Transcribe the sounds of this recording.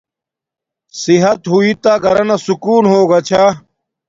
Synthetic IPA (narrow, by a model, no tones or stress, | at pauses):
siɦɐt̪ɦuit̪aːɡɐɾɐnasukuːnɦoːɡat͡ɕʰaː